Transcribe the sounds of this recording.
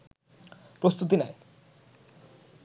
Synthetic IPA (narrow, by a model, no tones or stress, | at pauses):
pɾost̪ut̪̬inae